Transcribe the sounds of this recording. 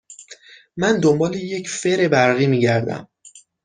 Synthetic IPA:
mænd̪ombɒːleje̞cʰfe̞ɾebæɾɣiːmiːɟæɾd̪æ̰m

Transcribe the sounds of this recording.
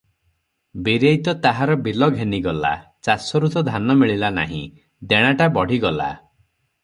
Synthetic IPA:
biɾejt̪ɔt̪aɦaɾɔbilɔɡʱeniɡɔla̰ | t͡ʃasɔɾut̪ɔd̪ʱanɔmiɭilana̰ɦḭ̃ | d̪eɽ̃aʈabɔɽ̤iɡɔla̰

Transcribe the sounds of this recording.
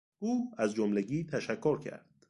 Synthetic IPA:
ʔuːæzd͡ʒomleɡiːt̪ʰæʃækʰːoɾcʰæ̰ɾd̪̥

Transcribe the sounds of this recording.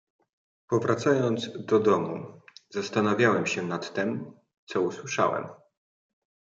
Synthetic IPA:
pɔvɾat̪sajɔnd̪zd̪ɔd̪ɔmuzast̪anavʲjawɛmɕɛnat̪ːɛm | t̪sɔuswɘʂa̰wɛ̰m

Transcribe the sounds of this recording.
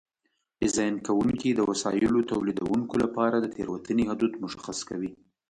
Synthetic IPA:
d̪ɪzɑjnkawuŋkid̪əwasɑ̰jɪlot̪awlid̪a̰wuŋkolapɑɾad̪ət̪ʰḛɾwat̪ənihʊd̪ud̪mʊʃaxaskawi

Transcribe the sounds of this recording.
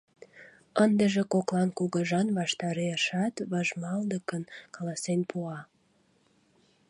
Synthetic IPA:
ənd̪əʒekoklɑnkuɣəʒɑnβɑʃt̪ɑɾeʃɑt̪βɑʒmɑld̪əkənkɑlɑsenpuɑ

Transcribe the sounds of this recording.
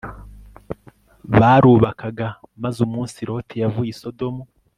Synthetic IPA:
βaːɾuːβakaɡamazumuːnsiɾo̞ːtʰejavujiso̞do̞mu

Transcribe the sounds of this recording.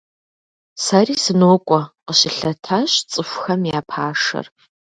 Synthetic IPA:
saːriːsɨnoːkʷʼɔqəɕɪɬɐtʰaːɕt͡sʼɨxʷxɐmjaːpʰaːʂɐ̰r

